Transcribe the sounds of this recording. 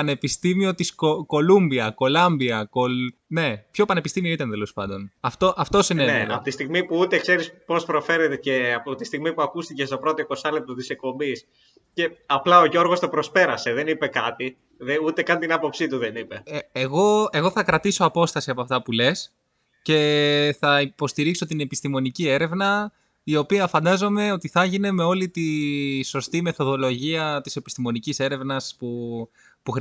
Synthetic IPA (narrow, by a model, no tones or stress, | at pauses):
ɐne̞pist̪imio̞t̪iskoko̞lumbiɐko̞lɐmbiɐkolne̞pço̞pɐne̞pist̪imio̞it̪ɐnt̪elo̞spɐnd̪o̞nɐft̪o̞ʔɐft̪osineneɐ̰pot̪ist̪iɣmipuut̪e̞kse̞ɾispo̞spɾo̞fe̞ɾet̪eceɐpot̪ist̪iɣmipuɐkust̪icest̪opɾo̞t̪oiko̞sɐlep̚t̪ot̪isek̚po̞mbis | ce̞ɐplɐo̞ʝo̞ɾɣo̞st̪o̞pɾospe̞ɾɐse̞ðe̞nipe̞kɐt̪i | ðeut̪e̞kɐnt̪inɐpo̞psit̪uðenipe̞ːɣo̞e̞ɣo̞θɐkɾɐt̪iso̞ɐpo̞st̪ɐsiɐpoɐft̪ɐpule̞s | ce̞θɐipo̞st̪iɾikso̞t̪ine̞pist̪imo̞nicie̞ɾe̞vnɐ | io̞piɐfɐnd̪ɐzo̞me̞o̞t̪iθɐʝine̞me̞o̞lit̪iso̞st̪ime̞θo̞ðo̞lo̞ʝiɐt̪i̥se̞pi̥st̪imo̞nicise̞ɾe̞vnɐspu | puxɾ